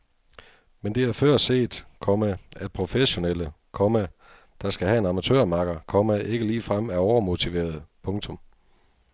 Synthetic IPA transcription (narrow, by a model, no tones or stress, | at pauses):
mend̥e̝æɐfɶɐ̰se̝̰ːd̥kʰɒ̽mææd̥̚pʰʁo̝feɕo̝nelə | kʰɒ̽mæ | d̥ɑ̈sɡ̥æɦæe̝nɑ̈mæt͡sʰø̰ːɐmɑ̈ɡ̥ɐkʰɒ̽mæʔe̝ɡ̥əliːfʁam̰æɐɒʊɐmo̝t͡sʰiʋe̝̰ːɐðˠpʰɔ̽ŋt͡sʰɔ̽m